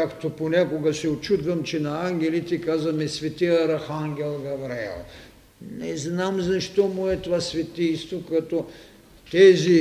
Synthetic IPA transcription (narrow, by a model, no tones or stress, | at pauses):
kakt̪oponʲakoɡɐsɛot͡ʃud̪vɐmt͡ʃɛnɐaŋɡʲɛlit̪ɛkazvɐmɛsvɛt̪iɐɾɐxaŋɡʲɛlˠɡɐvɾɛ̰lˠ | nɛznamzɐʃt̪ɔmuɛt̪ovasvɛt̪ijst̪vokɐt̪ɔ | t̪ɛzi